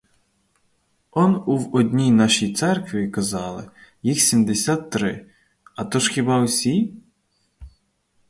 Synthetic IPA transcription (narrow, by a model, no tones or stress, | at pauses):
ɔnuwɔd̪ʲnʲijnɑʃijt̪sɛrkʋʲikɐzɑlˠɪjixsʲimd̪esʲat̪ːɾɪ | ɐt̪ɔʒxʲibɑwsʲi